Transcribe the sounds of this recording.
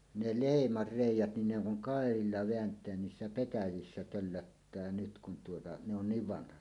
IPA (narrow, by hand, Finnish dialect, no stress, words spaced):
ne leˑimɑr reˑijˑæt nin ne oŋ kuŋ kɑˑerilːɑ ʋeæntˑeæn niːsːæ petæjisːæ tølːøtːæː nyt kun tuotɑ ne on niːʋ ʋɑnhɑt